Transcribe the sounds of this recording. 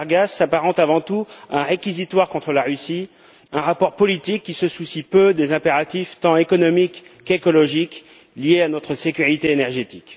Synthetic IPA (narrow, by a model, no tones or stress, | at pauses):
ʁɡasːapaʁɑ̃t̪avɑ̃t̪uɛ̃ʁekʲizit̪waʁkɔ̃t̪χəlaʁysi | ɛ̃ʁapɔʁpɔlit̪ikʲːisəsusipød̪ezɛ̃peʁat̪ift̪ɑ̃ekɔnɔmikːekɔlɔʒik | ljeanɔt̪χəsekʲyʁit̪eːnɛʁʒet̪ik